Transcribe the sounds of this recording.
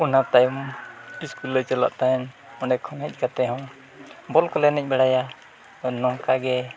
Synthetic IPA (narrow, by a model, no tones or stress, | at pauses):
unap̚t̪ajumiskulːət͡ʃala̰ʔt̪aɛn | ɔ̃ɖɛkʰɔnɛc̚ˀkat̪ɛɦɔ̃w | bɔlkɔlɛnɛc̚ˀbɛɽaja | nɔŋkaɡɛ